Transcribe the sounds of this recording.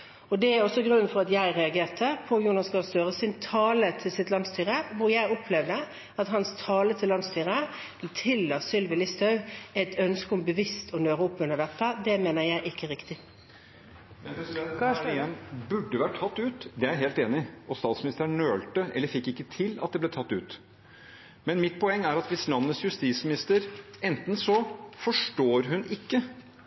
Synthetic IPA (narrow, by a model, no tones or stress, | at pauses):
ɔd̪ɛæɾɔsːɔɡʁʉnːn̩fɔɾɑt̪jæɪʁɛɑɡeːʈʰəpʰɔjuːnɑsɡɑst̪øːʁəsɪnt̪ʰɑːlət̪ʰɪlsɪt̪lɑnst̪yːʁəʋʊjæɪɔpʰlɛʋd̪ə | ɑt̪ɦɑnst̪ʰɑːlət̪ʰɪlːɑnst̪ʰyːʁə | t̪ʰɪlːɑsʏlʋɪlɪst̪ɑʉæɪt̪ʰœnskəʊmbəʋɪst̪ʰɔnøːɾəʊpːʉnəɖ̪ɛt̪ːəd̪ɛmeːnəɾjæɪʔɪkʰːəɾɪkt̪ɪ | ɛnbʉɖːəʋæʈʈʰɑt̪ːʉːt̪d̪ɛæɾɦeːlt̪eːnɪʔɔst̪ɑːt̪smɪnɪst̪əɾɳøːlt̪əʔɛ̰lːəɾfɪkːɪkːət̪ʰɪlɑt̪̚d̪ɛblɛt̪ʰɑt̪ːʉːt̪ | mɛnmɪt̪ːpʰɔɛŋːæɾɑt̪ʋɪslɑnːəsjʉst̪iːsmɪnɪst̪əɾɛnt̪n̩sɔfɔʂʈoːɾɦʉnɪkːə